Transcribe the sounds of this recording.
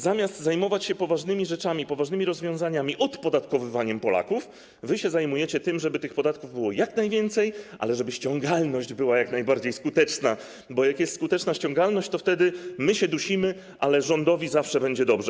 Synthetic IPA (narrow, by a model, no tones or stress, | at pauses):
zamʲjast̪zajmɔvat͡ɕɕɛpɔvaʐnɘmʲiʐɛt͡ʂamʲipɔvaʐnɘmʲiɾɔzvʲjɔ̃w̃zaɲamʲiʔɔt̪pɔd̪at̪kɔvɘvaɲɛmpɔla̰kuf | vɘɕɛzajmujɛt͡ɕɛt̪ɘmʐɛbɘt̪ɘxpɔd̪at̪kuvbɘwɔjaknajvʲjɛnt̪sɛjʔa̰lɛʐɛbɘɕt͡ɕɔŋɡalnɔɕd͡ʑbɘwajaknajbaɾd͡ʑejskut̪ɛt͡ʂna | bɔjakjɛst̪skut̪ɛt͡ʂnaɕt͡ɕɔ̃ŋɡalnɔɕt͡ɕt̪ɔft̪ɛd̪ɘmɘɕɛd̪uɕimɘ | ʔalɛʐɔnd̪ɔvʲizafʂɛbɛɲd͡ʑɛd̪ɔbʐɛ